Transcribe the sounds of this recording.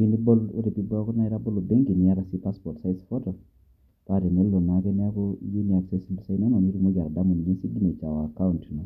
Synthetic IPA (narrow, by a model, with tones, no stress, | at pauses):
i˦ni˦bo˦lo̰˦ɾe˨pi˦bɔ˦kɔ˦na˦ɛ˦ɾa˦bo˦lo˨be˦ŋɡi˨nɪ˦a˦ɾa˨si˦pa˦spɔ˨ɾtsa˦ɪsfɔ˦tɔ˨ | ka˦ɾɛ˨ne˦lo˨na˨kɛ˦n˦a˦kɔ˦je˦ni˨a˨ksɛ˦si˦blsa˦na˦ma˨ni˦ɾi˦mo˦d͡ʒa˨ɾda˦mo˨n˨ɲe˦si˦ɡi˦ne˨t͡ʃa˨wa˨ka˦u˨ntnɔ˨